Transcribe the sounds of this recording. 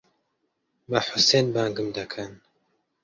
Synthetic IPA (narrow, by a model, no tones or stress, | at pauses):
bɐħʊseːnbaːŋɡɨmd̪ɐkʰɐn